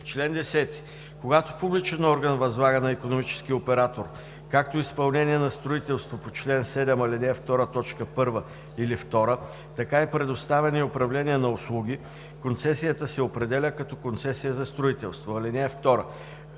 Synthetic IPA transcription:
t͡ʃlɛnd̪ɛsɛt̪i̥ | koɡat̪o̥publit͡ʃɛnɔɾɡənvɐzlˠaɡənɐikonomit͡ʃɛ̥skiopɛɾat̪oɾ | kak̚t̪oispɐlˠnɛniɛnɐst̪ɾoit̪ɛlˠst̪vopot͡ʃlɛnsɛd̪ɛmɐlinɛft̪ɔɾət̪ɔt͡ʃkəpɤɾvə | ilift̪ɔɾə | t̪ɐkaɛpɾɛd̪ost̪avɛnəiopɾɐvlɛniɛnɐʊslˠuɡ̟i | kont̪sɛsijət̪əsɛopɾɛd̪ɛlʲəkɐt̪ɔkont̪sɛsijəzɐst̪ɾoit̪ɛlˠst̪voɐlinɛft̪ɔɾə

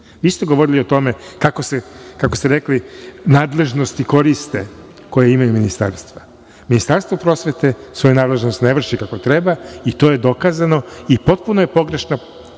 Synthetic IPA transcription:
ʋiːst̪e̞ɡoʋo̞ɾilio̞t̪o̞me̞kako̞sekako̞st̪eɾeklinaːd̪le̞ʒnost̪iko̞ɾist̪e | ko̞jeimajuminist̪a̰ːɾst̪ʋa | minist̪aɾst̪vʋopɾo̞sʋe̞t̪esʋo̞junaːd̪le̞ʒnost̪neʋr̩ʃikako̞t̪ɾebait̪o̞je̞d̪o̞kaːzano̞ipo̞t̪̚punoje̞po̞ɡɾe̞ʃna

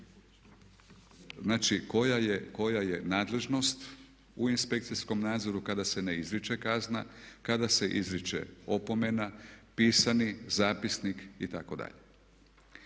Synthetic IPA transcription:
znaːt͡ʃikojajeko̞jaje̞naːd̪le̞ʒno̞st̪ | uinspe̞k̚t̪sisko̞mnaːd̪zo̞ɾukad̪ase̞neizɾit͡ʃekazna̰kad̪ase̞ʔḭzɾit͡ʃḛo̞po̞me̞napiːsanizaːpisnikit̪ako̞d̪a̰ʎe

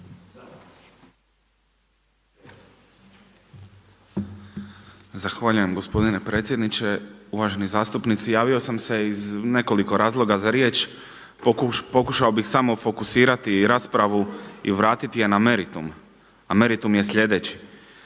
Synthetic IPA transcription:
zaxʋaʎuje̞mɡo̞spo̞d̪ine̞pɾe̞ːt̪sʲje̞d̪nit͡ʃe̞uʋaʒe̞nizaːst̪upnit̪sujaːʋio̞samse̞izne̞ko̞liko̞ɾaːzlˠo̞ɡazaɾje̞ːt͡ʃ | po̞kuʃaobixsamo̞fo̞kusiːɾat̪iɾaːspɾaʋuḭʋɾaːt̪it̪ije̞nameɾit̪um | ameɾit̪umje̞sʎʲe̞d̪e̞ːt͡ɕi̥

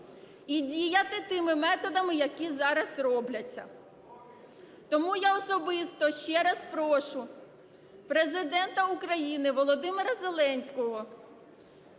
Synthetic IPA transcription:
idʲijɐt̪ɪt̪ɪmɪmɛt̪ɔd̪ɐmɪjɐkʲizɑɾɐzrɔblʲɐt͡sʲːɐ̰ | t̪ɔmujaɔsɔbɪst̪ɔʃt͡ʃɛɾɐspɾɔʃʊ | pɾezɪd̪ɛnt̪ɐukɾɐjinɪʋɔlˠɔd̪ɪmeɾɐzelˠɛnʲsʲkɔɦɔ

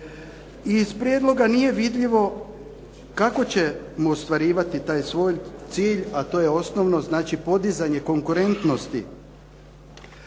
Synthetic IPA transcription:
izpɾjeːd̪lˠo̞ɡanije̞ʋid̪ʎiʋo̞ | kako̞t͡ɕe̞ | muost̪ʋaɾiːʋat̪it̪aːjsʋo̞ːjt̪siːʎat̪o̞ːje̞o̞snoʋno̞znaːt͡ʃipo̞d̪izaɲe̞ko̞ŋkuɾe̞nt̪no̞st̪i

